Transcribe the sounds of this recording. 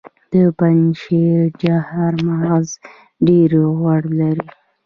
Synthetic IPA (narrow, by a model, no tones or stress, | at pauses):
d̪̥əpanʃed͡ʒahaɾmaz | ɖeɾɣwaɽlaɾi